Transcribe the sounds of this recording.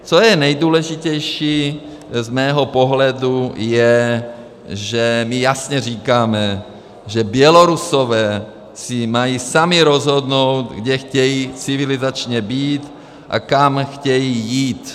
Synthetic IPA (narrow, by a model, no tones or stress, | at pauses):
t͡sojɛnɛjd̪uːlɛʒicɛjʃiː | zmɛːɦopoɦlɛdujɛ | ʒɛmijasɲɛriːkaːmɛ | ʒɛbjɛloɾusovɛː | simajiːsamiɾozɦod̪nowt̪ɡɟɛxcɛjiːt͡sivilizat͡ʃɲɛbiːt̪ | ʔa̰kamxcɛjiːjiːt̪